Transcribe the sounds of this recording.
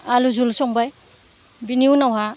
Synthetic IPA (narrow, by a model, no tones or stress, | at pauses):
aluzulsɔŋbaj | biniwnawɦa